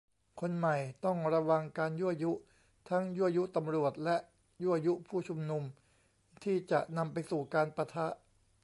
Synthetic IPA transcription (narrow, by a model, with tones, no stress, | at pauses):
kʰo˧nma˨˩jt̪ɔ˥˩ŋɾa˧wa˧ŋkaː˧nju˦˥ʔa˧ju˦˥ʔ | t̪ʰa˦˥ŋju˦˥˩ʔa˧ju˦˥ʔt̪a˧mɾu˨˩ət̪̚lɛ˦˥ʔ | ju˥˩ʔa˧ju˦˥pʰuː˥˩t͡ɕʰu˧mnu˧m | t̪ʰiː˥˩t͡ɕa̰˨˩ʔna˧mpa˧jsuː˨˩kaː˧npa˧t̪ʰa˦˥ʔ